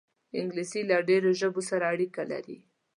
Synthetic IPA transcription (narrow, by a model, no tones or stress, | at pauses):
ɪŋɡlisilaɖeɾoʒəbosaɾaːɽikala̰ɾḭ